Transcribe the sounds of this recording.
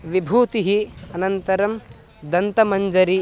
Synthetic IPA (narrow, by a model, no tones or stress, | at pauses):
ʋibʱuːt̪iɦiɐnɐnt̪ɐɾɐm | d̪ɐnt̪ɐmɐɲd͡ʒɐɾi